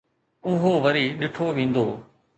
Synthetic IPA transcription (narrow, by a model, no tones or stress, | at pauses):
ʊɦoːʋəɾiːɗɪʈʰoːʋẽːnd̪oː